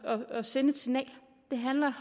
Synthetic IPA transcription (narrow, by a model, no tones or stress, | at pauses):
ɒɒ̽senədt͡sʰe̝nɛ̰ːɪ | d̥e̝ɦænlɐh